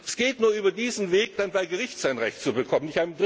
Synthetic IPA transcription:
sɡ̥eːtnuːɐʔyːbɐdiːzn̩veːk̚d̥anbaɪɡəʁɪçtz̥aɪnʁɛ̰çtt͡subəkʰɔmənɪçtaɪnədʁ

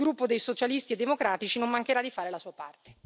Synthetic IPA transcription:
ɡɾupːod̪ejsot͡ʃalist̪ied̪ːemokɾaːt̪it͡ʃinomːaŋk̟eɾad̪ːifaːɾelasuːapa̰rt̪e̥

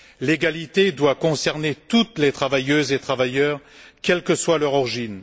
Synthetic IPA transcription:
leɡalit̪ed̪wakɔ̃sɛʁnet̪ut̪let̪χavajøzet̪χavajœːʁkʲɛlkəswalœʁɔʁiʒin

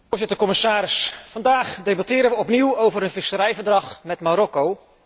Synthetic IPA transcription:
ɹzɪtəɹkɔmɪsaːɾɪsfɑndaːχdejbɑtɪːɾənʋəɔpniwowvəɾənvɪsəɾɛjvəɹdrɑχmɛtmaɾɔkow

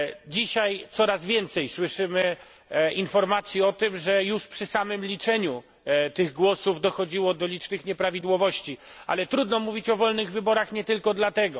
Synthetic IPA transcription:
d͡ʑiɕajt̪sɔɾazvʲjɛnt̪sɛjswɘʂɘmɘ | infɔɾmat̪sʲjiɔt̪ɘmʐɛjuʂpʂɘsamɘmlʲit͡ʂɛɲu | t̪ɘɣɡwɔsuvd̪ɔxɔd͡ʑiwɔd̪ɔlʲit͡ʂnɘxɲɛpɾavʲid̪wɔvɔɕt͡ɕia̰lɛt̪ɾud̪nɔmuvʲit͡ɕɔvɔlnɘɣvɘbɔɾaxɲɛt̪ɘlkɔd̪lat̪ɛɡɔ

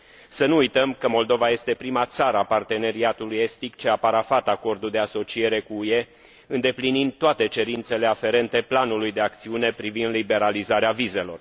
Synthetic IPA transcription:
sənuːjt̪əmkəmo̞ld̪o̞vaje̞st̪e̞pɾimat̪saɾəapart̪e̞ne̞ɾiat̪uluje̞st̪ikt͡ʃeapaɾafat̪ako̞rd̪uld̪e̞aso̞t͡ʃie̞ɾe̞kuːje̞ | ɨnd̪e̞plinind̪̚t̪oat̪e̞t͡ʃe̞ɾint̪se̞le̞afe̞ɾe̞nt̪e̞planulujd̪e̞ak̚t̪siune̞pɾivind̪libe̞ɾalizaɾeavize̞lo̞̰r

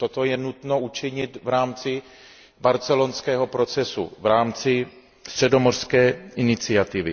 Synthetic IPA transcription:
t̪ot̪ojɛnut̪nout͡ʃɪɲɪt̪vɾaːmt͡sɪ | baɾt͡sɛlo̞nskɛːɦo̞pɾo̞t͡sɛsṵvɾaːmt͡sɪ | st̪r̝̥ɛdo̞mor̥skɛːʔɪnɪt͡sɪat̪ɪvɪ̰

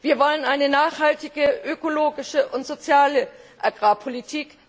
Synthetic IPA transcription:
v̥iːɐvɔlənʔaɪnənaːχhaltɪɡəʔøkoloːɡɪʃəʔʊntz̥ot͡sjaːləʔaɡʁaːpʰolitʰiːk

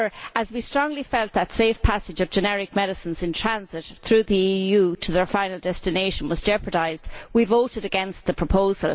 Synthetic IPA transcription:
ə˞ʔəzwistɹ̥ɔ̃ŋlifɛlˠt̪̚ðətseɪfpʰasɪd͡ʒʌvd͡ʒɨnɛɹɪk̚mɛɾɨsə̃nzɪ̃ntʰɹ̥æ̃nzɪt̪̚θɹʉːðiijuːtʰəðə˞fãɪ̃nəl̩ˠdɛstɪneɪʃə̃nwɒzd͡ʒɛpəɾaɪzdwivoʊɾɨɾəɡɛ̃nst̪̚ðəpʰɹ̥əpʰoʊzə̰lˠ

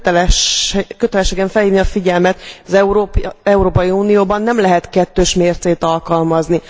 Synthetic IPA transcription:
køt̪ɛlɛʃeːɡɛɱfɛlhiːvniɒfiɟɛlmɛt̪ɒzɛɾɛuɾoːpɒjiuːnijoːbɒnːɛmlɛɦɛt̪kɛt̪ːøːʃmeːrt̪seːt̪ɒlkɒlmɒzni

